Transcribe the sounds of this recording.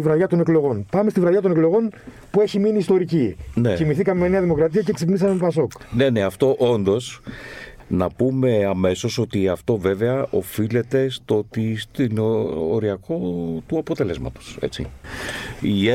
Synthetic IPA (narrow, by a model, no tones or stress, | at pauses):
ivɾɐʝɐt̪o̞neklo̞ɣo̞npɐme̞st̪ivɾɐʝɐt̪o̞neklo̞ɣo̞n | pue̞çiminiːst̪o̞ɾicinecimiθikɐmemene̞ɐðimo̞kɾɐt̪iɐceksepnisɐmemepɐso̞kne̞ne̞ɐft̪o̞ʔo̞nd̪o̞s | nɐpume̞ɐme̞so̞so̞t̪iɐft̪o̞ve̞veɐʔo̞file̞t̪e̞st̪oot̪ist̪ino̰ɾiɐko̞t̪uɐpo̞t̪e̞le̞zmɐ̰t̪o̞̥se̞̰t͡sḭ | i